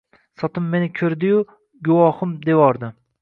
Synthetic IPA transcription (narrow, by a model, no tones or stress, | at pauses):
sɒt̪ɪmːe̞nɪkʲʰɵɾd̪ɪjʊ | ɡʊwɒhʊmd̪e̞wɒɾd̪ɪ